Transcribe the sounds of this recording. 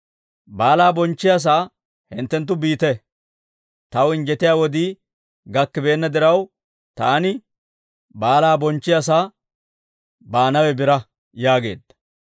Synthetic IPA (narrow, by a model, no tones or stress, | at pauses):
baːlaːbɔnt͡ʃːɪjas̬aː | hɪ̰nt̪ːɛnt̪̬ːʊbiːt̪ɛ | t̪ɐwɪnd͡ʒɛt̪ɪjaːwɔd̪i | ɡɐkːɪbe̞ːnːɐd̪ɪɾɐw | t̪aːnɪ | baːlaːbɔnt͡ʃːɪjas̬aː | baːnɐwɛbɪɾɐ | jaːɡe̞̰ːd̪ːɐ̥